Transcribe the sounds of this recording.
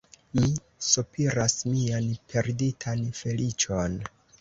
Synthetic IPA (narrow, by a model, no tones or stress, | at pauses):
mi | supʰiɾasmianpʰe̞ɾditʰanfe̞lit͡ʃo̞n